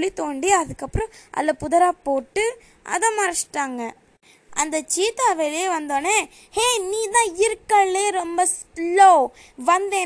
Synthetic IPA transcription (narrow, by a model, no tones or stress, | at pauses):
ɭit̪oːɳɖiɐðɯkːɐpːɯɾɔ̃ʔɐ̰lːɐpʊðɐɾaːpoːʈːɯ | ʔɐ̰ðɐ̃mɐɾɐsʈːaːŋɡɐ | ʔɐnd̪ɐt͡ʃiːt̪ːaːʋeːlɐjeʋɐnd̪oːneː | heːniːt̪ãːɪɾɯkːɐɭːeːɾɔmbɐs | loː | ʋɐnd̪eː